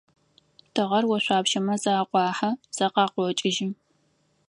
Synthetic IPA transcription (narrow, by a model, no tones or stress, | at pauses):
tʰɨʁɐrwɔɕʷaːpʃɐmɐzaːqʷɑːħɐz̥ɐqɑːqʷɔt͡ʃʼɪʒiː